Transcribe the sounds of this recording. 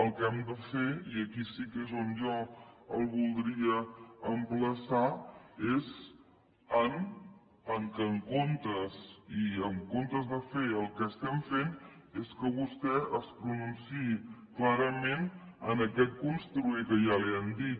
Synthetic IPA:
əlˠkɛmd̪əfeiəkisikezonʒɔəlˠβulˠd̪ɾiəəmpləsaez | ən | əŋkəŋkont̪əziəŋkont̪əzðəfeəlˠkəːst̪ɛmfen | eskəβust̪ɛʔəspɾununsiiklaɾəmen | ənəkɛt̪̚kunst̪ɾuikəʒaleəmd̪it̪̚

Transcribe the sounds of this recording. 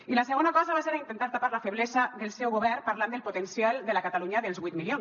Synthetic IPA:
ilaseɣonakɔzaβaseɾaint̪ent̪aɾt̪apaɾlafeβlezaðelˠsɛwɣoβɛɾpaɾland̪elˠpot̪ensjalˠd̪elakat̪aluɲaðelˠzβujt̪milion

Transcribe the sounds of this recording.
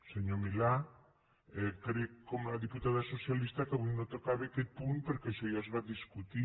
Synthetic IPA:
seɲomila | ekaɾekomðiput̪aðaso̞sialist̪akaβinot̪okaβekepunpeɾkeʃojazβat̪d̪iskut̪i

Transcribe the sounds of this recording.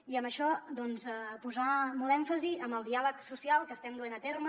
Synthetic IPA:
iəmbəʃɔd̪ɔnzəpuzamɔlˠɛɱfəziəmbəlˠd̪ialəksusialˠkəst̪ɛmd̪uenət̪ermə

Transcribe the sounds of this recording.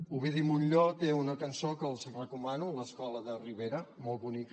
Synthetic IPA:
uβeðimunʎot̪eunəkənsokəlˠzrəkumanuləskɔləðəriβeɾəmɔlˠt̪βunik

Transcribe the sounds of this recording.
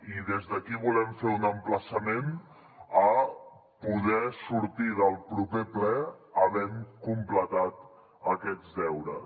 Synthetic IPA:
iðezðəkiβulɛmfeunəmpləsəmen | ə | puðɛsuɾt̪iðəlˠpɾupeplɛəβɛŋkumplət̪at̪ | əkɛd͡zdɛwɾə

